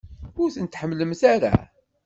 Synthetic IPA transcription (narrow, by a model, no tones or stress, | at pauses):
ʊɾθənt̪ħəmːləmθaɾa̰